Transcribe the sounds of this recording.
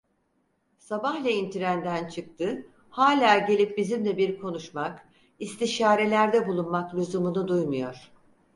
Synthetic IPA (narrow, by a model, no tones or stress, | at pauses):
sabahlʲɛint̪ʰiɾænd̪ænt͡ʃʰɯk̚t̪ʰɯ | haːlʲaːɟe̞lʲip̚bizimd̪ʲɛbiɾkʰo̞nuʃmak | ist̪ʰiʃaːɾe̞lʲæɾd̪ɛbulˠunmaklʲuzumunud̪ujmujo̞ɾ̝̥